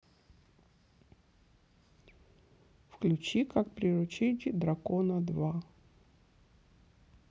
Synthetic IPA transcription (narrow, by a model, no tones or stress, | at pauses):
fklʲʉt͡ɕikak̚pɾʲɪɾʊt͡ɕedʲid̪ɾɐkonəd̪va